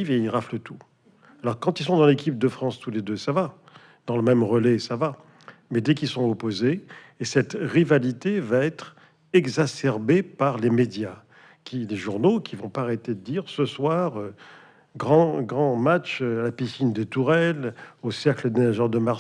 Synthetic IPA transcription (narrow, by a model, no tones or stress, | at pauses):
iveilʁaflət̪u | alɔʁkɑ̃t̪ilsɔ̃d̪ɑ̃lekʲip̚d̪əfχɑ̃st̪uled̪øsava | d̪̥ɑ̃ləmɛmʁəlɛsava | mɛd̪ɛkilsɔ̃opozeː | sɛt̪ʁivalit̪evaɛt̪χ | ɛɡzasɛʁbepaʁlemed̪ja | kʲileʒuʁnokʲʰivɔ̃paʁet̪ed̪əd̪iʁsəswaʁø | ɡʁɑ̃ɡʁɑ̃mat͡ʃøalapisind̪et̪uʁɛlosɛʁkləmenaʒɛʁd̪əmaʁ